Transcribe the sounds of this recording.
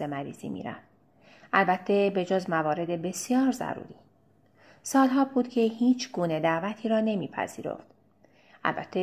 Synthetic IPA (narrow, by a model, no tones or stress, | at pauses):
emæɾḭːz̥ḭːmḭːɾæ̰nd̪̥ | ʔælbæt̪ʰːe̞be̞d͡ʒozmævɒːɾe̞d̪e̞be̞sijɒːɾzæ̰ɾṵːɾiː | sɒːlɦɒːbuːd̪̥cʰe̞hiːt͡ʃʰɡuːne̞d̪æʔvæt̪ʰiːɾɒːne̞miːpʰæ̰z̥iːɾo̰ft̪ | ʔæ̰lbæ̰t̪ʰːe